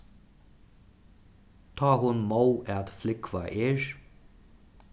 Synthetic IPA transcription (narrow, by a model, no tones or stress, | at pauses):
t̪ʰaːɦʊnmowɛt̪flɪkvaʔeːɹ